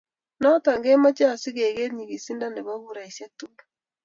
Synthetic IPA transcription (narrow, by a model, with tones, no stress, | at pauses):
nɔ˦ta˨ŋɡe˦ma˦t͡ʃa˦˨si˦ɣe˨ɣe˦tɲi˨ɣi˨si˦nda˦nde˨βa˦βu˨ɾa˨i˨sja˦tu˦